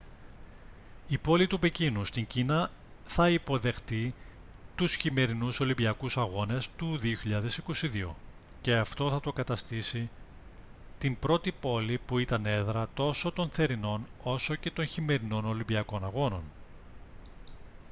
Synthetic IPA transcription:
ipo̞lit̪upicinust̪iɲcinɐ | θɐipo̞ðe̞xt̪i | t̪usçime̞ɾinuso̞limbiɐkusɐɣo̞ne̞st̪uðioçiʎɐðe̞siko̞siðio̞̰ | ce̞ɐft̪o̞θɐt̪o̞kɐt̪ɐst̪isi | t̪imbɾo̞t̪ipo̞lipuit̪ɐne̞ðɾɐt̪o̞so̞t̪o̞nθe̞ɾino̞no̞so̞ce̞t̪o̞nçime̞ɾino̞no̞limbiɐko̞nɐɣo̞no̞n

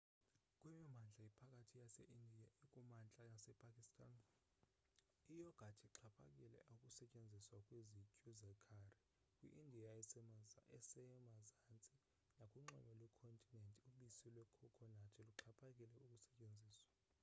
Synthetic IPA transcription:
kʼwimimand͡ɮʱaipʰakʼatʰijasḛʔindʱijaikʼumand͡ɮʱanasɛpʼakʼistʰʼan | ijɔɡ̥ʱatʰiǁʰapʰa̰kʼilɛ̰ʔaukʼusɛt͡ʃʼend͡zʱiswakʼwezicʼuzɛkʰari | kʼwḭʔindʱija | ɛsɛmazant͡sʼi | nakʼuŋ͡ǃɔ̰mɛlwɛkʰontʼinɛntʼiuɓisilwɛkʰɔkʰɔnatʰiluǁʰapʰʼakʼilɛukʼusɛt͡ʃʼend͡zʱiːswa

